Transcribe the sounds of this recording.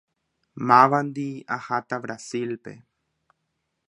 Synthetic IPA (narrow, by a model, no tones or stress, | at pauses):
mãʋand̪iahat̪aβɾasilpḛ